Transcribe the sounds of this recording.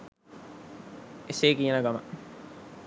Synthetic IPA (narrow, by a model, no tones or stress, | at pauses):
eseːkinɐɡɐmɐ